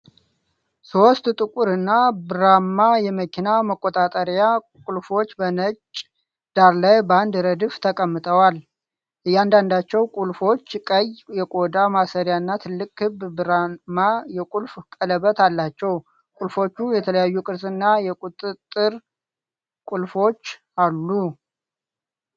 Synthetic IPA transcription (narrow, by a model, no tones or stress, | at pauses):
sost̪t̪ʼɨkʼuɾɨnːabɨɾamːajɛməkʰinaməkʼːot̪ʼat̪ʼəɾja | kʼulfo̞t͡ʃːbənət͡ʃʼ | d̪̥aɾlajband̪ɾəd̪ɨft̪ʰəkʼəmːɨt̪ʼʰəwal | ʔɨjːand̪and̪at͡ʃːɛwkʼulfo̞t͡ʃːkʼəjjɛkʼo̞d̪amasəɾjanːat̪ʰɨlːɨkʼhɨβbɨɾamːajɛkʼulfkʼələβət̪ʰalːat͡ʃːɛw | kʼulfo̞t͡ʃːujɛt̪ʰələjajːukʼɨɾsɨnːajɛkʼut̪ʼɨt̪ʼːɨɾ | kʷʼulfo̞t͡ʃː | alːu